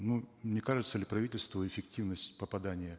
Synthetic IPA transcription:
numnʲekaʐɨt̪səlʲɪpɾɐvitʲɪlʲst̪vəɪfʲɪktʲivnəsʲtʲpəpɐd̪anʲɪjə

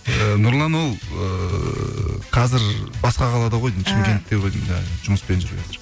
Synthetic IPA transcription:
ənʊɾlˠɑnwo̞lˠə | qʰɑzɪɾbɑsqɑqʰɑlˠɑd̪ɑʁo̞jʃɪmkʲen̚t̪eʁoj̰ʒ̥ʊməspe̞nʒʏɾbḛst̪ɪɾ

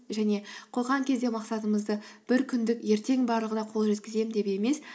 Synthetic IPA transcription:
ʒæne̞qʰo̞lˠʁɑŋkʲʰe̞zd̪e̞mɑqsɑt̪əməzd̪əb̥ɪɾkʲʰʏnd̪ɪkje̞ɾt̪e̞ŋbɑɾlˠəʁənɑqʰo̞lˠʒe̞t̪̚kʲɪze̞mnd̪e̞pe̞me̞s

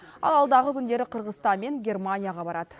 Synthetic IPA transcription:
ɑ̰lˠɑlˠd̪ɑʁəkʲʰʏnd̪e̞ɾɪqʰəɾʁəzst̪ɑnme̞ŋɡʲe̞rmanʲijaʁɑbɑɾʔɑd̪ə̥

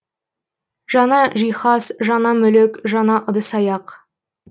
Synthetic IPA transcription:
ʒ̥ɑnɑʒijχɑsʒɑnɑmɵlekʒɑnɑʔə̆d̪əsɑjɑq

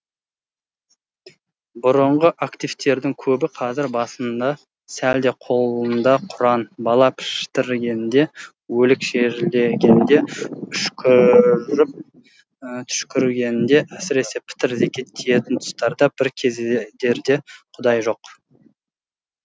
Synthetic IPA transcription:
bʊɾʊɴʁəʔakt̪ijv̥t̪e̞ɾd̪ɪŋkʲʰɵbɪqʰɑzɪɾbɑsənd̪ɑ | sæld̪e̞qʰo̞lˠənd̪ɑqʰʊɾɑnbɑlˠɑpʰɪ̥ʃt̪ɪɾɡʲe̞nɪnd̪e̞ | wɵlɪkʃeɾleɡʲe̞nd̪e̞ʏʃkʲɪɾɪp̚ | t̪ʰʏ̥ʃkʲɪɾɡʲe̞nɪnd̪e̞ʔæsɪɾe̞se̞pʰɪ̥t̪ɪɾzekʲʰe̞t̪ʰːeje̞t̪ɪnt̪ʰʊ̥st̪ɑɾd̪ɑb̥ɪɾkʲʰe̞zd̪e̞ɾd̪e̞qʰʊd̪ɑjʒo̞q

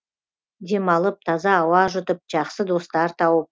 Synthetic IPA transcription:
d̪e̞mɑlˠəp̚t̪ʰɑzɑːwɑʒʊt̪əp̚ʒ̥ɑqsəd̪o̞st̪ɑɾt̪ʰɑwəp̚

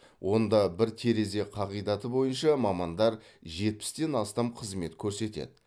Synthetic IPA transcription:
wʔo̞nd̪ɑbɪɾt̪ʰe̞ɾe̞ze̞qʰɑʁijd̪ɑt̪əbo̞jənʃɑmɑmɑnd̪ɑɾ | ʒe̞t̪̚pɪ̥st̪e̞nɑst̪ɑmqʰəzme̞t̪kʲʰɵɾse̞t̪e̞̰d̪ɪ

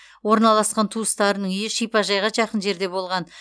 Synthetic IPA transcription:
wo̞ɾnɑlˠɑsqɑnt̪ʰuəst̪ɑɾənəɴʏjɪʃijpɑʒɑjʁɑʒɑqənʒe̞ɾd̪e̞bo̞lˠʁɑn

